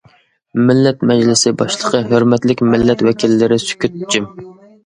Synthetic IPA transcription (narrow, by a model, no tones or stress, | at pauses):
mɪlːɛt̪mɛd͡ʒlɪsɪbɑʃlˠəqʰəɦøɾmɛt̪lɪkʲmɪlːɛt̪wɛkʲʰilːɪɾɪsy̥kʲyt̪ːd͡ʒym